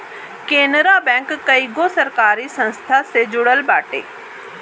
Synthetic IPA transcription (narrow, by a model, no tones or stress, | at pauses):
keːnɾaːbɛ̃ːŋkːəiːɡoːsəɾkaːɾiːsə̃nst̪ʰaːseːd͡ʒʊɽəlbaːʈḛː